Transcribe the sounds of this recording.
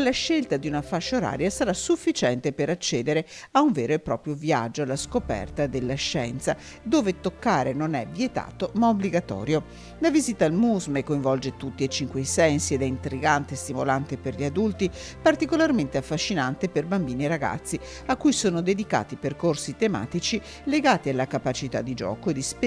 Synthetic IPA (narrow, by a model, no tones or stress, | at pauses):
lːaʃːelt̪ad̪iunafaʃːoɾa̰ːɾjasaɾasufːit͡ʃɛnt̪epeɾat͡ʃːɛːd̪eɾeauɱvɛːɾoepːɾɔ̰ːpɾjovia̰d͡ʒːoalaskopɛ̰rt̪ad̪elːaʃːɛ̰nt̪sa | d̪oːvet̪okːaːɾenonɛvjet̪a̰ːt̪omaobliɡat̪ɔ̰ːɾjo | lavizit̪almuzmekːoiɱvɔld͡ʒet̪ut̪ːiet͡ʃːiŋkweisɛnsied̪ɛint̪ɾiɡant̪est̪imolant̪eperʎiad̪ult̪i | part̪ikolarment̪eafːaʃːinant̪eperbambiːnieɾaɡa̰t̪sːi | akːujsoːnod̪ed̪ika̰ːt̪iperkorsit̪ema̰ːt̪it͡ʃi | leɡaːt̪ialːakapat͡ʃit̪a̰d̪ːid͡ʒɔ̰ːkoed̪isp